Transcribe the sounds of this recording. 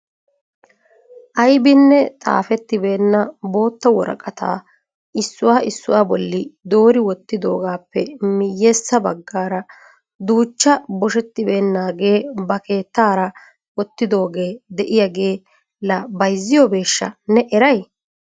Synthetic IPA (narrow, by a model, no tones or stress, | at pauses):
ʔɐjbɪnːɛt̪ʼa̰ːfɛt̪ːɪbe̞ːnːɐbo̞ːt̪ːɐwɔɾɐ̰kʼɐt̪a̰ː | ɪsːʊwaːʔɪsːʊwaːbɔlːɪd̪o̞ːɾɪwɔt̪ːɪd̪o̞ːɡaːpːɛmɪjːeːsːɐbɐɡːaːɾɐ | d̪uːt͡ʃːɐbɔʃɛt̪ːɪbe̞ːnːaːɡe̞ːbɐke̞ːt̪ːaːɾɐ | wɔt̪ːɪd̪o̞ːɡe̞ːd̪ɛʔɪjɐɡeː | lɐbɐjzːɪjɔbe̞ːʃːɐ̰nɛʔɛɾɐj